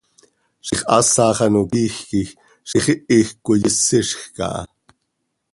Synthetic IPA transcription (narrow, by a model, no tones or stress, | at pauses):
ʃiχʔɑ̰sɑːχɑnokiːxkix | ʃiχiʔixkʷojəsɪʃxkɑ̰ʔɑ̰